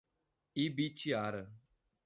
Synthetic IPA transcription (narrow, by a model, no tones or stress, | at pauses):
ibit͡ʃiaɾə